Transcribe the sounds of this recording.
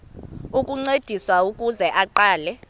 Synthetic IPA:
ukʼuŋ͡ǀed̥ʱiswaukʼuzɛʔaǃaːlɛ

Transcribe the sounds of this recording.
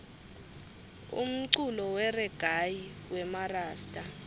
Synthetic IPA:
ṵm̩ǀulɔwɛrɛɡ̥ʱajiwɛmaraːstʼa

